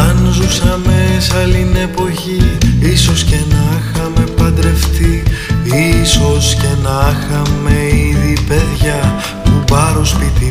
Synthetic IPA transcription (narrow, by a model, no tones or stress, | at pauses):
ɐnzusɐme̞sɐline̞po̞çiisosce̞nɐxɐme̞pɐd̪ɾe̞ft̪iiso̞sce̞nɐxɐme̞iiðipe̞ðʝɐ | mubɐɾospit̪i